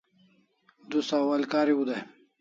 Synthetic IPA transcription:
d̪usawɐlkaːɾiud̪aj

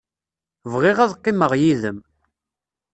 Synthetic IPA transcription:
vʁɪʁæðqːɪməʁjiðəm

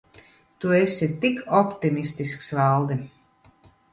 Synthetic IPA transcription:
t̪uesʲit̪ikɔpt̪imist̪isksvalˠd̪i

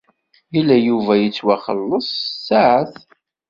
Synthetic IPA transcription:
ilːæjuvæjət͡sːwæχə̰lːəsˤsaʕəθ

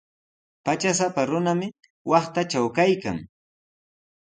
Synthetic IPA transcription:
pat͡ʃas̬apaɾʊnamɪ | wɑχt̪at͡ʃawkajka̰ŋ

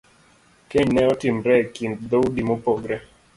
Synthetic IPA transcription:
keɲnɛɔtɪmɾɛkind̪owdimopɔɡɾɛ

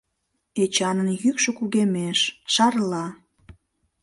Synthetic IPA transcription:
et͡ɕɑnənjykʃokuɣemeʃʃɑrlɑ

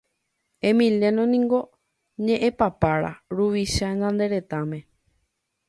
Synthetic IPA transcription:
ẽmĩljenõnĩŋɡo̞ | ɲẽʔẽpapaɾa̰ɾuʋiʃaɲãnd̪e̞ɾe̞t̪amẽ̞

